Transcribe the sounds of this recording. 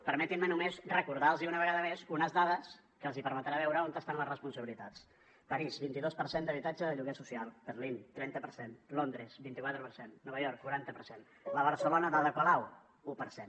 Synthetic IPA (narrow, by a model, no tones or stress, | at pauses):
pəɾmɛt̪immənumezrəkuɾðalˠziunəβəɣaðəmezunəzðaðəs | kəːlˠzipəɾmət̪ɾaβ̞ɛwɾəont̪əst̪anləzrəspunsəβilit̪at͡s | pəɾizbint̪iðospəɾsend̪əβit̪ad͡ʒəðəʎuɣesusialˠb̥ərlint̪ɾɛnt̪əpəɾsenlond̪ɾəzbint̪ikwat̪ɾəpəɾsenːɔβəʎɔɾkːuɾant̪əpəɾsen | ləβəɾsəlonəðəðəpəlaw | upəɾsen